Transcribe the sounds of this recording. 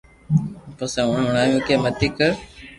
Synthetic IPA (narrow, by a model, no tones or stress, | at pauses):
posɛ̃ːʊɳʊɳaːjũːkʰeːmət̪iːkəɾ